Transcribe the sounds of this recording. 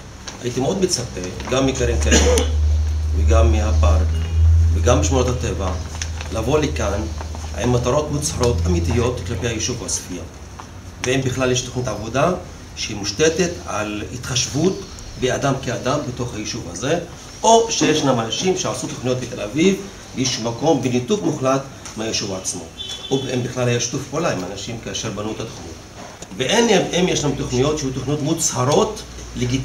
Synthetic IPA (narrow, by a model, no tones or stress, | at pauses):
a̰jit̪imeo̞d̪met͡sapeɡamːikaɾemkae | veɡamːiapaɾkveɡambiʃmuot̪hateva | lavo̞lekanaemːat̪aɾo̞t̪mut͡saɾo̞t̪amit̪ijo̞t̪klapehajiʃuvaso̥fija | veimbiχlaljeʃt̪oχnitavo̞da | ʃeimuʃte̞teta̰lhit̪χaʃvut | bead̪amkead̪ambet̪o̞χhajiʃuvaze | o̞ʃejeʃnamanaʃimʃeasut̪oχnijo̞t̪bet̪elaviv | jiʃmako̞mbenit̪ukmuχlat̪ | meajeʃuvaːt͡smo̞̰ovembiχlalhajaʃt̪ufpolaimanaʃimkaːʃeɾbanuet̪at̪oχnut̪ | veʔenememjeʃnahemt̪o̞χnijo̞t̪ʃehit̪oχniot̪mut͡shaɾo̞t̪ | leɡi